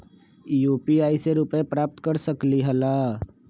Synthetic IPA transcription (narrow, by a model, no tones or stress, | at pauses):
juːpiaːɪseɾuːpẽpɾaːp̚t̪kəɾsəkliɦəlaː